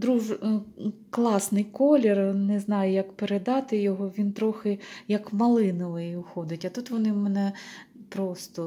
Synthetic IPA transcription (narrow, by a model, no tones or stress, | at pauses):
d̪ɾuʒ | klˠɑsnɪjkɔlʲernɛznɑjʊjɐkpeɾed̪ɑt̪ɪjɔɦɔʋʲint̪ɾɔxɪjɐkmɐlˠɪnɔʋɪjiʊxɔd̪ɪtʲɐt̪ut̪ʋɔnɪmɛnɛ | pɾɔst̪ɔ